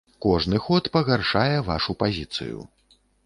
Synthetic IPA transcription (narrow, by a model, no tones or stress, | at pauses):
kɔʐnɨxɔt̪pɐɣarʂajɛva̰ʂupazʲit̪sɨ̰jṵ